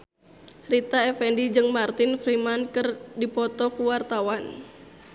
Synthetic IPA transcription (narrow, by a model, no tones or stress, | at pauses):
rit̪aɛfɛndid͡ʒɨŋmart̪infɾimankɨrdipɔt̪ɔkuwart̪awan